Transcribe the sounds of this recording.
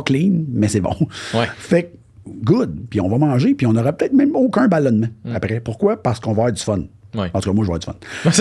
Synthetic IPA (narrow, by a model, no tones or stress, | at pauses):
klinmɛsɛbɔ̰̃wfɛk̚ | ɡʊd̪piɔ̃vʌmɑ̃ːʒepiɔ̃nɔʁɑpøt̪ɛɪt̪mɛ̃mokʲɜ̃balɔnmãapʁɛpʊʁkwapaʁskɔ̃vafɛːʁd͡zy̥fɔnɑ̃t̪ukamwaʒvfɛːʁd͡zz̥fɔ̰ns